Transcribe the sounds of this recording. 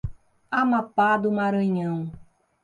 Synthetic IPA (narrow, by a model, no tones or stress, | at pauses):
amapad̪ʊmaɾɐ̃ɲɐ̃w̃